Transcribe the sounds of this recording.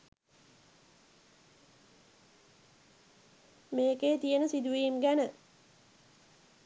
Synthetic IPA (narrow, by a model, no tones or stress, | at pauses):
meːkeːt̪ijənəsid̪uʋiːmɡænə